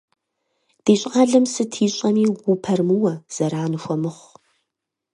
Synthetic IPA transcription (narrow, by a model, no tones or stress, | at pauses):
d̥eːɕʼʁɑːɮɐmsɨtʰiːɕʼɐmiːɡʷupʰɐrmɨwɐz̥ɐɾaːnɨxʷɔmɨχʷ